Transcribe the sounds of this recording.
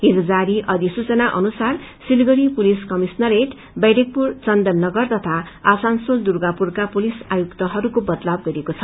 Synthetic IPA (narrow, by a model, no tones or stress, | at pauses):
ɦid͡zʌd͡zaɾiʔʌd̪isut͡sʌnaʔʌnusarsilɡʌɾipuliskʌmisnʌɾeʈ | bʌjɖek̚purt͡sʌnd̪ʌnːʌɡʌrt̪ʌt̪ʰa | asansold̪urɡapurkapulisajukt̪ʌɦʌɾukobʌd̪lab̚ɡʌɾiekot͡sʰʌ